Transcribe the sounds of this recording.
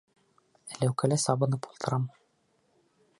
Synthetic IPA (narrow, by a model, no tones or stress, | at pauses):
æ̆læwkælæsɑbɤ̆nɤpulˠt̪ʰɤ̆ɾɑm